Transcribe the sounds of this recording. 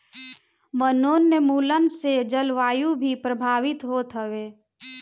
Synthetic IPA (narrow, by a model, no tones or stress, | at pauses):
bənoːnːemuːlənsed͡ʒəlʋaːjubʱipɾəbʱaːʋɪt̪ɦoːt̪ɦəʋeː